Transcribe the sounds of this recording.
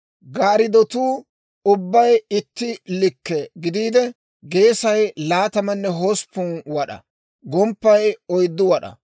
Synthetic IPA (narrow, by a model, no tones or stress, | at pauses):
ɡaːɾɪd̪ɔt̪uː | ʊbːɐjɪt̪ːɪlɪkːɛɡɪd̪iːd̪ɛ | ɡe̞ːsɐjlaːt̪ɐmɐnːɛɦoːspːʊnwɐɗɐ̰ | ɡɔmpːɐjɔjd̪ːʊwɐɗɐ̰